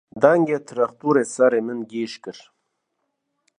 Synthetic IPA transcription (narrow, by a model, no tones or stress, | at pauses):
d̪aŋɡet̪ʰɾaxt̪uɾesaɾemɪnɡiːʃkəɾ